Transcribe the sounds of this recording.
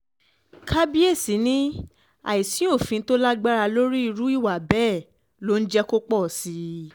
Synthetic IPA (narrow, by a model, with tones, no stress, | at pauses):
kʰa˦bi˦e˦˨si˨˦nĩ˦ | a̰˨i˨sĩ˨˦o˦˨fĩ˧˦to˦la˦ɡ͡ba˦ɾa˧lo˦ɾi˦i˧ɾu˨˦i˦˨wa˨bɛː˦˨ | lo˦n̩˦d͡ʒɛ˧˦ko˦k͡pɔ˦˨si˨˧˦